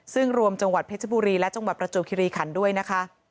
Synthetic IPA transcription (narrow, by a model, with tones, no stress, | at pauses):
sɯ˥˩ŋɾu˧əmt͡ɕa˧ŋwa˨˩t̪̚pʰe˦˥t̪̚ʰa˦buː˧ɾiː˧lɛ˦˥t͡ɕa˧ŋwa˨t̪̚pɾa˧t͡ɕu˨˩kʰiː˧ɾiː˧kʰa˩˦ndu˥˩əjna˦˥kʰa˦˥ʔ